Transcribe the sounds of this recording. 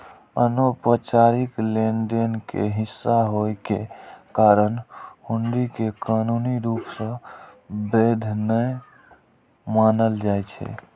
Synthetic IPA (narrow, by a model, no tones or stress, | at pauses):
ənopət͡ʃaɾikleɳɖenkḛɦisːaɦojkekaɾənhuɳɖikekanuniɾupsə̃ | bed̪ʱnə | manəld͡ʒajt͡ʃʰɛ̰